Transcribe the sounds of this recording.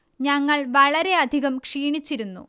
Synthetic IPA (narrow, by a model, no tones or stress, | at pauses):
ɲɐŋːɐɭʋɐɭɐɾe̞ɐd̪ʱiɣɐmkʂiːɳit͡ɕːiɾunːṵ